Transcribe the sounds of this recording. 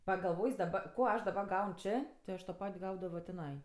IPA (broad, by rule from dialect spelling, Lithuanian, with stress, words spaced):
pɐɡɐlˠˈʋoːjs dɐˈbɐ ˈkoː ˈɐʃ dɐˈbɐ ˈɡɐʊn ˈt͡ʃʲeː tʲɪ ˈɐʃ toː ˈpɐtʲ ˈɡɐʊdɐʋoː tʲɪˈnɐɪ